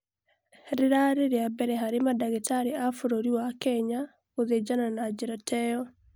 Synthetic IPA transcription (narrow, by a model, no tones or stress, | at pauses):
ɾeɾaɾeɾeabɛɾɛɦaɾemadaɣetaɾeafoɾoɾiwakɛɲa | oðed͡ʒananad͡ʒeɾatʰɛjɔ